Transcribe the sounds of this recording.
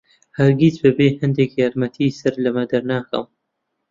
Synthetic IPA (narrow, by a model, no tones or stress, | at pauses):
hɐɾɡizbɐbeːhɐnd̪ekjaːɾmɐt̪ʰisɐɾlɐmɐd̪ɐɾnaːkɐ̰m